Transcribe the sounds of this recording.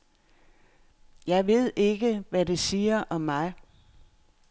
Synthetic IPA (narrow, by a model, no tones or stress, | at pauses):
jɑ̈ɪʋe̝ð̞̰ˠe̝ɡ̥əʋæde̝siːɐʔɒ̽mːɑ̈ɪ